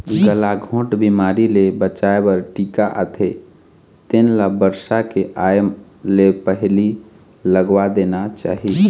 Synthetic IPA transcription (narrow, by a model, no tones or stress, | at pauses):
ɡəlaɡʱõʈbimaɾilebət͡ʃaebəɾʈikaʔət̪ʰe | t̪enlabəɾsakeʔajmlepəɦli | ləɡwad̪enat͡ʃa̰ːɦi